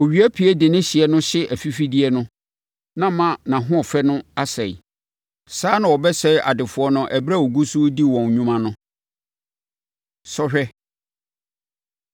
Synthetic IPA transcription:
o˨ɥi˨˦æ˦pʰi˨˦ɛ˦dɪ˨nɪ̃˦ɕɪ˨ɛ˦nʊ̃˦ɕɪ˦ʔæ˨fi˦fi˦di˦ɛ˦nʊ̃˦ | nã˦mã˦nã˨ɦʊ̃˦ɔ˨fɛ˦nʊ̃˦a˦sɛ˨j | saː˦nã˨wɔ˨bɛ˦sɛ˦ʔa̰˨dɪ˨fʊ˨˦ɔ˦nʊ̃˦ʔɛ˨bɾa˦˨o˨ɡu˦su˦di˦wɔ̃˨n˨ɲũ˦mã˦nʊ̃˦ | sɔ˦ɕᶣɛ˦

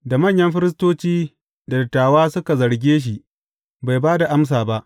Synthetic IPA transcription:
da˨mɐ˦˨ɲjɐ˦mɸɪ˦ɾɪ˦s̬toː˦t͡ʃiː˦ | da˨dɪ˨tːaː˨waː˦sʊ˦ka˨zɐ˨ɽɡʲeː˦ʃ̬i˨ | ba˨jbaː˦da˨ʔa˦ms̬aː˨ba˦ʔ

